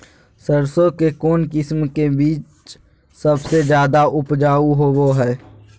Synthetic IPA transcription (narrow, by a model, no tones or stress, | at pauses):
səɾsõkekoːnkɪsmkebiːt͡ʃ | səbsed͡ʒjaːd̪aʔʊpd͡ʒaːuɦowoɦɛː